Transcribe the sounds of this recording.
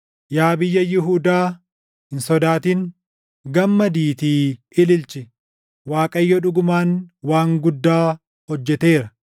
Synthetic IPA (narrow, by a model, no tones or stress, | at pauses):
jaːbɪjːɐjɪɦuːd̪aː | hɪnsɔd̪aːt̪iːn | ɡɐmːɐd̪iːt̪iː | ɪlɪlt͡ʃɪ | waːkʼɐjːɔᶑʊɡʊmaːnwaːŋɡʊd̪ːaː | hɔd͡ʒːɛt̪eːɾɐ